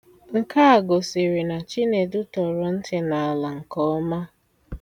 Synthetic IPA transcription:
ŋ̩˨ka˦a˨ɡo˨si˨ɾi˨na˨t͡ʃi˦ne˨dʊ˦tɔ˨ɾɔ˨n̩˦tɪ˨na˨a˨la˨ŋ̩˨kɔ˦ɔ˦ma˦

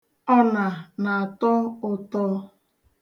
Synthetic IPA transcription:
ɔ˦na˨na˨a˨tɔ˦ʊ˦tɔ˦

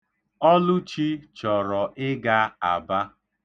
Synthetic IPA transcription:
ɔ˦lʊ˦t͡ʃi˦t͡ʃɔ˨ɾɔ˨ʔɪ˦ɡa˦a˨ba˦

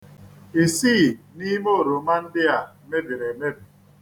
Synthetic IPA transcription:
e˨siː˦˨ni˦mo˦˨ɾo˨ma˦n̩˦dɪ˦a˨ | me˦bi˨ɾe˨me˦bi˨

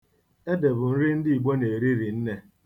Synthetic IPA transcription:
e˦de˨bʊ˨n̩˦ɾɪ˦n̩˦dɪ˦i˨ɡ͡bo˦ne˨ɾi˦ɾi˨n̩˦ne˦

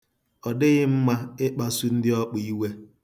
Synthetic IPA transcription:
ɔ˨dɪ˦ɣɪ˦m̩˦ma˦ɪ˦k͡pa˦su˦n̩˦dɪ˦ɔ˦k͡pi˦we˦

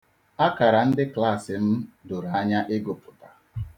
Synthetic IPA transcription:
a˦ka˨ɾa˨n̩˦dɪ˦kla˦˨sɪ˨m̩˦dʊ˨ɾa˦ɲa˦ʔɪ˦ɡʊ˨pʊ˨ta˨

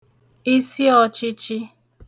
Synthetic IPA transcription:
i˦si˦ɔ˨t͡ʃɪ˦t͡ʃɪ˦

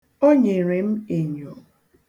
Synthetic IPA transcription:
o˦ɲe˨ɾe˨m̩˦e˨ɲo˨

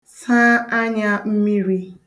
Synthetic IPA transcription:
sã˦a˦ɲa˦m̩˦mi˦ɾi˦

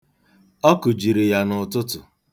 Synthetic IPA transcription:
ɔ˦kʊ˨d͡ʒi˨ɾi˨ja˨nʊ˨tʊ˦tʊ˨

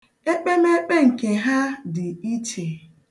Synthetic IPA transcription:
e˦k͡pe˦me˦k͡pe˦ŋ̩˨ke˨ɦa˦dɪ˨i˦t͡ʃe˨

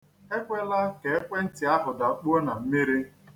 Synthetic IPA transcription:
e˦kʷe˦la˦ke˨e˦kʷe˦n̩˦tɪ˨a˦ɦʊ˨da˨˦k͡pu˦o˦na˨m̩˦mi˦ɾi˦

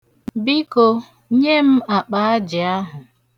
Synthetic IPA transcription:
bi˦ko˦ | ɲe˦m̩˦a˨k͡pa˨a˦d͡ʒɪ˨a˦ɦʊ˨

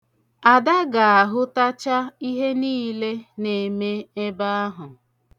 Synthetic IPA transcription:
a˨da˦ɡa˨a˨ɦʊ˦ta˦t͡ʃa˦i˦ɦe˦niː˦le˦ne˨me˦e˦ba˦a˦ɦʊ˨

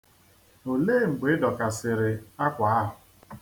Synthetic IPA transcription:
o˨leː˦˨ŋ͡m̩˨ɡ͡be˨˦dɔ˨ka˨sɪ˨ɾɪ˨a˦kʷa˨a˦ɦʊ˨

